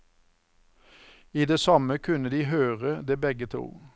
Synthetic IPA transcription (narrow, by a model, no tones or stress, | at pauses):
iːd̪eːsɑməkʰʉnəd̪iːɦøːʁəd̪eːbɛɡət̪ʰṵː